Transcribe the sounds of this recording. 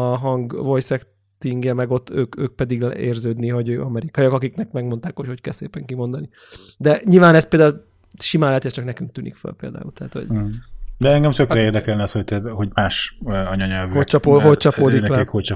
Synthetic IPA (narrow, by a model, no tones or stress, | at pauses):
ɒɦɒŋɡvo̞jsɛk | t̪iŋɡjɛmɛɡo̞t̪ːø̰ːkø̰ːk̚pɛd̪iɡlḛːrzøːd̪niɦo̞ɟøːʔɒmɛɾikɒjokɒkiknɛkmɛɡmo̞nt̪aːkho̞cho̞ckɛlsḛːpɛŋkimo̞nd̪ɒni | d̪ɛɲilvaːnɛst̪̚peːld̪au | ʃimaːlːɛt̪ɛst͡ʃɒknɛkyŋk̚t̪yːnḭkfø̰lpḛːld̪a̰ːṵlt̪ɛɦːt̪ho̞̰ɟd̪ɛɛŋɡɛmt̪økɾɛeːrd̪ɛkɛlnɛɒshoc̚t̪ɛt̪hoɟmaːʃɒɲɒɲɛlvyholt͡ʃɒpoːolt͡ʃɒpoːd̪inɛlɛkholt͡ʃɒ